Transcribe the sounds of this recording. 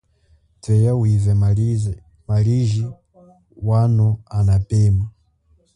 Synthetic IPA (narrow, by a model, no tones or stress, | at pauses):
tɛjawivɛ | maɾiʒi | wanɔanapɛːma